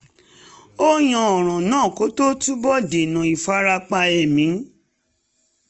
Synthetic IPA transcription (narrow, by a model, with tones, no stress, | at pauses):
o˦j̃ã˧ɔ˨ɾ̃ɔ̃˨nãː˦˨ko˨˦to˦tu˦bɔ˦˨de˨nã˨i˨fa˦ɾa˧k͡pa˧ɛ˨mĩ˨˦